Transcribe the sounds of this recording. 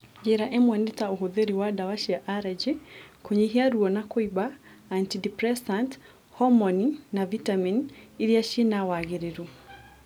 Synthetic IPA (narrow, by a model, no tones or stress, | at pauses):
d͡ʒɛɾaʔɛmwanitauɦuðiɾiwadawaʃijaʔaɾɛd͡ʒikuɲiɦiaɾuɔnakwiba | antidipɾɛsant | hɔmɔninavitaminiɾiaʃinawaɣeɾiɾu